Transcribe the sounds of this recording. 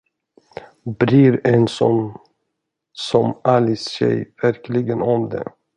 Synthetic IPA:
bɾiɾɛnsɔ | sɔmalɪsːɛ̰jvæɾklɪɡənɔmd̪ɛ̰

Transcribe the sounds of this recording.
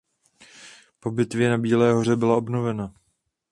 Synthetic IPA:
po̞bɪt̪vjɛnabiːlɛːɦo̞r̝ɛbɪlao̞bno̞vɛna

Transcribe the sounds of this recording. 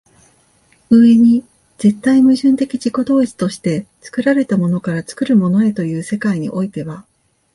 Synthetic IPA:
ɯ̟e̞ɲ̟i | z̥e̞t̪ːaimɯ̟ʑɨ̃nt̪e̞kʲid͡ʑiko̞d̪o̞ːit͡sɨ̥t̪o̞ɕi̥t̪e̞t͡sɨ̥kɯ̟ɾaɾe̞t̪amo̞no̞kaɾat͡sɨ̥kɯ̟ɾɯ̟mo̞no̞e̞t̪o̞jɯ̟ːse̞kaiɲ̟ḭʔo̞it̪e̞βa

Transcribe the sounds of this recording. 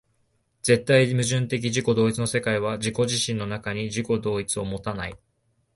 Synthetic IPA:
z̥e̞t̪ːaimɯ̟ʑɨ̃nt̪e̞k̬ʲiʑiko̞d̪o̞ːit͡sɨno̞se̞kaiβ̞ad͡ʑiko̞ʑiɕĩnːo̞nakaɲ̟iʑiko̞d̪o̞ːit͡sɨo̞mo̞t̪ana̰i

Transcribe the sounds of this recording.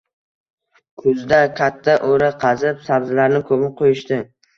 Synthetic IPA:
kʰʊzd̪akʲʰat̪ʰːaʔoɾaqʰɑzɪpsabzɪlaɾnɪkʰɵmɪqʰojɪʃt̪ɪ

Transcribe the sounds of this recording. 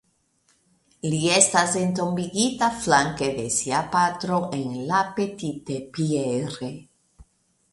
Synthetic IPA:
eliest̪azent̪ombiɣit̪aflaŋkeðesiapat̪ɾoʔeŋlapet̪it̪epieɾe

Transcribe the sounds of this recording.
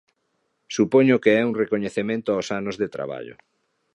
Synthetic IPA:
supoɲokeɛuŋrekoɲeθemẽnt̪ʊawsanozðet̪ɾa̰βa̰ʎʊ̰

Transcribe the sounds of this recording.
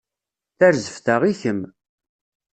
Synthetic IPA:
θæɾzəfθaʁiçəm

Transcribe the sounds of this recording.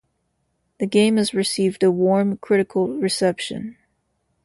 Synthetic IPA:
ðɨɡẽɪ̃mɨzɹɨsivdəwɔɹmkʰɹ̥ɪɾɨkʰl̩ˠɹɨsɛpʃɨ̰̃n

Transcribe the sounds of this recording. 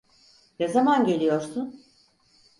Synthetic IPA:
nɛzamanɟe̞lʲijo̞ɾsun

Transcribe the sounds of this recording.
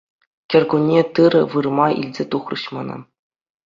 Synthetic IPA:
kʲɘ̆rɡunʲːet̪ɯɾʲɤ̆ʋɯrmɑʔḭlʲzʲet̪uχrɯ̰ɕmɤ̆nɤ̰̆

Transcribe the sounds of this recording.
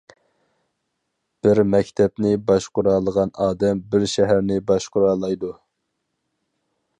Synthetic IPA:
b̥ɪɾmɛkʲt̪ʰɛpnɪbɑʃqʊɾɑːlˠəʁɑnɑːd̪ɛmbɪɾʃɛɦæɾnɪbɑʃqʊɾɑːlˠɑjd̪u

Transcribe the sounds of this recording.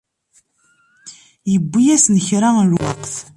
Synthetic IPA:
jəbʷːijæsnəçɾalwɑ̰qθ

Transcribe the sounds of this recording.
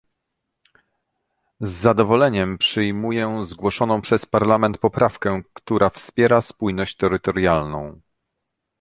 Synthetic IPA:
zːad̪ɔvɔlɛɲɛmpʂɘjmujɛzɡwɔʂɔnɔ̃w̃pʂɛspaɾlamɛnt̪̚pɔpɾʔafkɛkt̪uɾʔafspʲjɛɾaspujnɔɕt͡ɕt̪ɛɾɘt̪ɔɾjalnɔ̰̃w̃

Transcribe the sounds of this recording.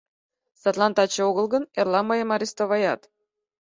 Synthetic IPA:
sɑt̪lˠɑnt̪ɑt͡ɕeoɣə̆lˠɣənerlˠɑmɤjemɑɾʲist̪oβɑjɑt̪

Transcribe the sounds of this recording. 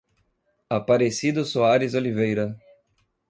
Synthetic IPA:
apaɾesid̪ʊsoaɾɪzolivejɾɐ

